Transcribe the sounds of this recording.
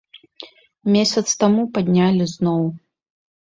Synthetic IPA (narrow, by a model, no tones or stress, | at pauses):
mʲesʲɐt̪st̪amupad̪ʲnʲalʲiznɔw